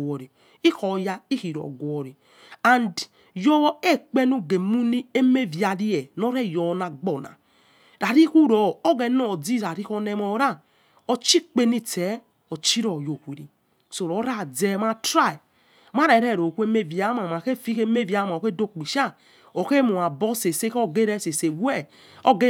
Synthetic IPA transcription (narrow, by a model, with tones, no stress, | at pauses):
wo˨ɾi˨ | i˦kɔ˨ja˧i˦ki˨ɾo̰˨ɡu˨ɔ˨ɾi˨ | a˨nd | jɔ˦e˦˨k͡pe˦nu˦ɡe˨mu˦ni˦e˦me˦˨vi˨a˨ɾi˦jɛ˨no˦ɾɛ˦˨jɔ˨˦na˨ɡ͡bɔ˨na̰˨ | ɾa˨ɾi˦ku˦ɾɔ˨o˦ɡɛ˨˦nɔ˦˨d͡zi˦˨ɾa˨ɾi˦ko˧˦nɛ˨˦mɔ˨˦ɾa˦˨ | o˧t͡ʃi˦k͡pe˦ni˦tɛ˨˦ | o˨t͡ʃi˦ɾɔ˨jo˨kʷi˨ɾi˨ | so˨ɾo˨˦ɾa˦˨d͡zɛ˦ma˦tɾa˦˨i˨ | m˦a˦ɾɛ˨ɾɛ˦˨ɾo˨ku˦e˦me˦˨vja˨˦ma˨ma˨ke˦fi˦ke˦me˦˨va˨˦ma˨o˨ke˦do˦˨k͡pi˨ʃa˦˨ | o˨ke˦mu˨a˨bɔ˦se˨se˦ko˦ɡe˦ɾɛ˦˨se˨se˨wɛ˦˨ | o˦ɡe˦